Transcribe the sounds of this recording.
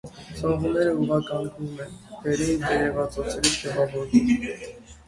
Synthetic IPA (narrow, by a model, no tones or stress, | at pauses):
sɔʁunɛɾəuʁɑkɑlɡumɛnvɛɾindɛɾɛvɑt͡sɔt͡sɛɾit͡sʰɛvɑvɔɾvum